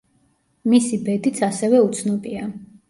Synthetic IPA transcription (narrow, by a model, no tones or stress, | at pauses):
misibɛd̪it̪sʰasɛvɛut̪sʰnɔbʼia